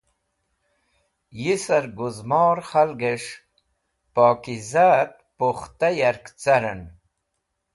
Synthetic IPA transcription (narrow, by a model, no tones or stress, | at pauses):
jisɐɾɡuzmoːɾχalɡeʂ | poːkizaːt̪̚poχt̪ajɐɾkt͡sɐɾɐn